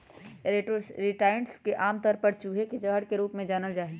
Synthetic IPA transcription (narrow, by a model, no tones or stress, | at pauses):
ɾɪʈaːɪəɳʈskeʔaːmt̪ɔːɾpɐɾt͡ʃuːɦekid͡ʒɐɡɦəɽkeɾuːpmẽd͡ʒaːnəld͡ʒaːe